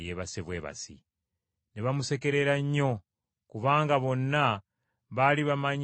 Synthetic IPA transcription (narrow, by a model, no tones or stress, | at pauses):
jeβaseβweːβa̰sḭ | neβamuse̞ke̞ɾe̞ɾaɲːo̞ | kuβaːŋɡaβo̞nːa | βaliβamaɲ